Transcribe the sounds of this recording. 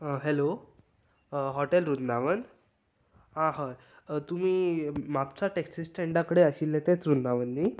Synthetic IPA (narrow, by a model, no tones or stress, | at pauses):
ɦelo | ɦɔʈelɾund̪aʋən | ɦãɦaj | t̪um̤iːmapt͡saʈeksisʈeɳɖakəɽeəɕilːet̪ẽt͡sɾund̪aʋənːi